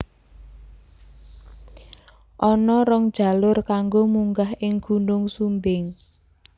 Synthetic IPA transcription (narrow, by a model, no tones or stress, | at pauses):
ʔɔnɔɾɔŋd̥ʒ̥a̤lʊrkaŋɡomuŋɡahʔɪŋɡ̥ṳnʊŋsumbɪŋ